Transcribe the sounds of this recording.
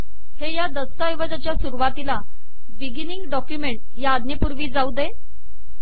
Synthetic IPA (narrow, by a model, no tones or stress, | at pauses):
hejad̪əst̪ajʋəd͡zat͡ɕjasuɾuʋat̪ila | biɡiniŋɡɖɔkjumeɳʈ | jaːd̪nepuɾʋiːd͡zaud̪e